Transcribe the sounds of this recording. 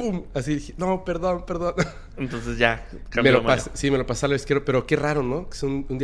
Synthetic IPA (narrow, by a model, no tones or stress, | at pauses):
umasiðixenope̞ɾðo̞npe̞ɾðo̞n | ent̪onsezʝa | kammelomassime̞lopasalaβeskjeɾope̞ɾoke̞raɾo̞noke̥sunund̪i